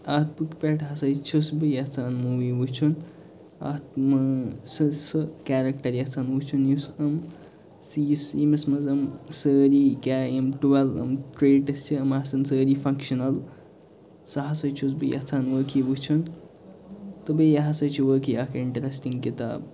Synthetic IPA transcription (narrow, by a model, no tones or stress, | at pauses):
aːt̪̚pukpʲeʈɦɐsɐjt͡ʃʰusbɨjɐt͡sʰaːnmuːʋiʋut͡ʃʰun | a̰t̪mɐsɨsɨkaːɾɐk̚ʈɐɾjɐt͡sʰaːnʋut͡ʃʰunjusɐm | sisimɐsmɐzɐmsəːɾiːkʲaːjɐmʈuʋɐlɐ̰mʈɾeːʈɐst͡ʃʰiɐmasɐnsəːɾifʰɐŋkʃɐnɐl | sɐɦasɐt͡ʃʰus̬bɨjɐ̰t͡sʰaːnʋəːkʰiʋut͡ʃʰun | t̪ɨbɨjɐɦasɐjt͡ʃʰuʋəːkiaːkʰɐɾiɳʈɐɾesʈiŋɡkit̪a̰ːb